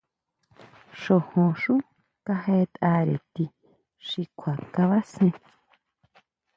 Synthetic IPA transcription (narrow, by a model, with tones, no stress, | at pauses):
ʃo˨hõ˨ʂu˦ | ka˧he˦t̪ʼa˧ɾḛ˨t̪i˧ | ʂi˧kʰa˨ka˧βa˦sẽ˧